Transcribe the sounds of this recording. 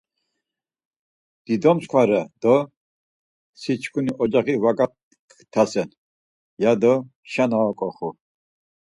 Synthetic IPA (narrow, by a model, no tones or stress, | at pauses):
d̪̥id̪ɔmskʰwaɾad̪̥ɔ | sit͡ʃʰkʰuniʔɔd͡ʒaχivaɡa | t̪ʰasɛn | jad̪ɔʃanaakʼɔχu